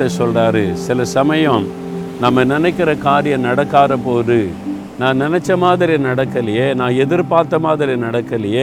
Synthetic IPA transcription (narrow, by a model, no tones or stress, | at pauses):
ɐsɔlraːɾɯsɪlɐsɐmɐjɐ̃m | nɐmːɐnɪnɛɪkːɪɾɐkaːɾɪjɐnɐɽɐkːaːɾɐpoːɾɯ | nãːnɪnɛt͡ʃːɐmaːðɪɾinɐɽɐkːɐlɪjeːnãːɛðɪɾpaːɾt̪ːɐmaːðɪɾinɐɽɐkːɐlɪje